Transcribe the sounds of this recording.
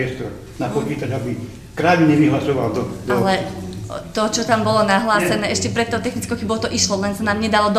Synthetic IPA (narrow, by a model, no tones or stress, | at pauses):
ɛst̪ɔɾ | napɔt͡ʃiːt̪aɟabi | kɾaʋiɲɛʋiɦlasɔʋald̪ɔalɛ | t̪ɔt͡ʃɔt̪ambɔlɔnaɦlaːsɛnɛːʔɛʃcɛpɾɛt̪ːɔʊt̪ɛxnit͡skɔʊxɛbɔʊt̪ɔʔiʃlɔlɛnsanaːmɲɛd̪alɔd̪